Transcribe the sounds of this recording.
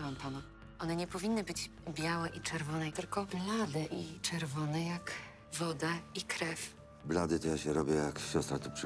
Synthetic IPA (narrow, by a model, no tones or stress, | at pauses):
vampanɔ | ɔnɛɲɛpɔvʲinːɘbɘd͡ʑbʲjawɛʔit͡ʂɛɾvɔnɛt̪ɘlkɔblad̪ɛʔit͡ʂɛɾvɔnɛjak | vɔd̪aikɾɛf | blad̪ɘt̪ɔjaɕɛɾɔbʲjɛjakɕɔst̪ɾat̪ɔpʂ